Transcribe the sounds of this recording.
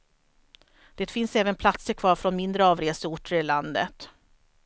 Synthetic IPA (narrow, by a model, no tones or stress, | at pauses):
d̪̥eːt̪fɪnsɛːvənpʰlat̪səɾkʰvɑːɾfɾɔnmɪnd̪ɾəɑːvɾeːsəʊʈːəɾɪland̪ə̰t̪